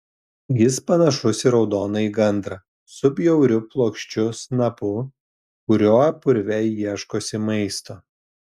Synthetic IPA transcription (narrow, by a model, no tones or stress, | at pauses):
jɪspɐnɐʃʊsʲɪɾɒʊd̪oːnɐiːɡɐnd̪ɾɐ | sʊbʲjɛʊɾʲʊplˠoːkʃʲt͡ʃʲʊsnɐpʊ | kʊɾʲoːɐpʊɾʲʋʲɛɪjiɛʃkoːsʲɪmɐɪst̪oː